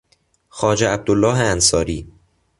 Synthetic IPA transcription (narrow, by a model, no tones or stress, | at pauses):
xɒːd͡ʒeæb̚d̪olːɒːɦeænsɒːɾiː